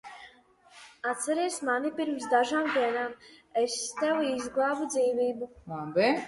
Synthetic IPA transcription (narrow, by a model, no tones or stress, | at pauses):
at̪sɛɾiɛsmanipiɾms̬d̪aʒaːmd̪iɛnaːmɛst̪ɛwiːzɡlˠaːbud̪ziːviːbumanbɛ